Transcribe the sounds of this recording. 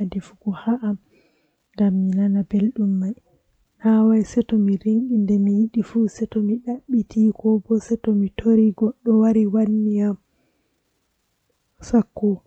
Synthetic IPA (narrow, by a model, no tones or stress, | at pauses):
difukɔhaʔam | ŋɡamːinanabelɗumːaj | nawajsɛtɔmiɾiŋkindɛmijiɗifusɛtɔmiɗaɓːitʰikɔbɔsɛtɔmitʰoɾiɡɔɗːɔwaɾiwanːijam | sakːɔ